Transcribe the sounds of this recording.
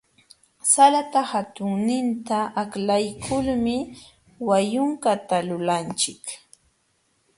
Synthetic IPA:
salat̪ahat̪ʊŋnɪnt̪aʔaklajkʰʊlmɪ | wajʊŋkat̪alʊlant͡ʃɪk

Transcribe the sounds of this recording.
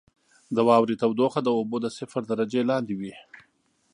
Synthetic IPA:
d̪əwɑwɾit̪awd̪oxad̪əobod̪əsɪfaɾd̪aɾad͡ʒelɑnd̪iwi

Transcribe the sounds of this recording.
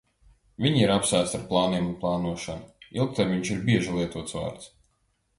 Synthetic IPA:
vʲiɲiɾapsæːt̪st̪aɾplˠaːniɛmunplˠɑːnuɔʃa̰nuilˠk̚t̪ɛɾmʲiɲt͡ʃiɾbʲiɛʒilˠiɛt̪uɔt̪sva̰ːɾt̪s

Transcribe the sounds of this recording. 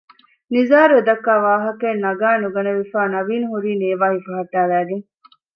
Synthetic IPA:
nizaːɾued̪ɐkːaːʋaːɦɐkeːnːɐɡaːnuɡɐnɐʋifaːnɐʋiːnɦuɾiːneːʋaːɦifɐɦɐʈːæːlæːɡeŋ

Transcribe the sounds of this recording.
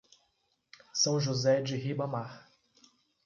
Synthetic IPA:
sɐ̃w̃ʒuzɛd͡ʒɪɦibɐmaɾ

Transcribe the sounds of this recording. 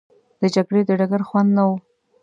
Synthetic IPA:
d̪̥ət͡ʃaɡɽed̪əɖaɡaɾxwand̪nawu

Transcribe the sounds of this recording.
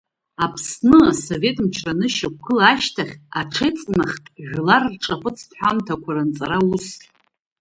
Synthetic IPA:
apʰsnɨaso̞ve̞tʼmt͡ʃʰranɨʃakʷkʰɨlaʃtʰaχʲaʈ͡ʂʰejt͡sʼnaχʲtʼʒᶣʷlarːʈ͡ʂʼapʷʼɨt͡sʰtħʷamtʰakʷʰaɾant͡sʼaɾausʼ

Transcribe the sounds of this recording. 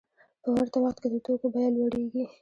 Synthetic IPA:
pəwaɾt̪awaxt̪ked̪ət̪okobajɑnwaɽeɡi

